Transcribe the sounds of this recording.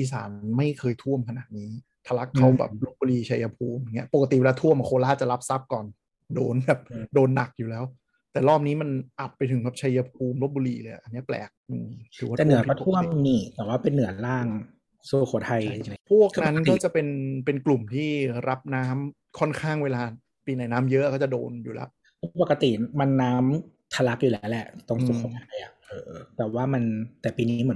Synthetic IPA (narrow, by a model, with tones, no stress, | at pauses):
ʔiː˨˩sa̰ː˩˦nma˥˩jkʰɤː˧jt̪ʰu˥˩əmkʰa˧naː˨˩t̪̚niː˦˥ | t̪ʰa˧la˦˥kʰːa˦˥wbɛ̰ː˨˩p̚lo˦˥t̪̚buː˧liː˧t͡ɕʰa˧ja˧pʰuː˧m˧˩ŋi˦˥ɐpo˨˩kːa˧t̪i˨˩we˧laː˧t̪ʰu˥˩əmʔa˨˩kʰoː˧laː˥˩t͡ɕa˨˩la˦˥p̚sa˦˥p̚kɔː˨˩n | doː˧nbɛː˨˩p̚doː˧nːa˨˩k̚juː˨˩lɛː˦˥w | t̪ɛː˨˩lɔː˥˩p̚niː˦˥ma˧nʔa˨˩pːa˧jt̪ʰɯ˩˦ŋbɛː˨˩pt͡ɕʰa˧jːa˧p̚ʰuː˧mlo˦˥buː˧liː˧lɤː˧ja˨˩ʔa˧nːi˦˥ɐplɛ̰ː˨˩k̚ʔɯː˧˩ɾʰɯː˨˩˦waː˥˧ɛː˨nɯ˥˦˩ɔ˧˥˩t̪ʰu˥˩əmniː˨˩t̪ɛː˨˩waː˥˩pe˧nːɯ˨˩˦ɐlaː˥˩ŋ | su˧˩kʰo˨˩˦t̪ʰa˧jpʰu˥˩ək̚na˦˥nkɔː˥˩t͡ɕa˨˩pe˧npe˧nklu˨˩mt̪ʰiː˥˩ɾa˦˥p̚naː˦˥m | kʰɔ˥˩nkʰaː˥˩ŋweː˧laː˧ | piː˧na˨˩˦jnaː˦˥mjɤ˦˥akɔ˥˩t͡ɕa˨˩do̰ː˧njṵː˨˩lɛ̰˦˥wʔ | ɔ˥˧pa˨˩kːa˧t̪i˨˩ma˧nːaː˦˥m | t̪ʰa˧la˦˥k̚juː˨˩lɛ˦˥wlɛ˧˩ʔt̪ɔ˧˩ŋsu˧kʰo˩˦t̪ʰa˧jʔa˨˩ʔɤː˧t̪ɛː˨˩waː˥˩ma˧nt̪ɛː˨˩piː˧ni˦˥mɯ˩˦